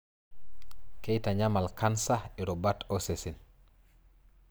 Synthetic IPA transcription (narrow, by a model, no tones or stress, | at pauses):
kɛjtaɲamalkʰansaɛɾɔbatɔsesin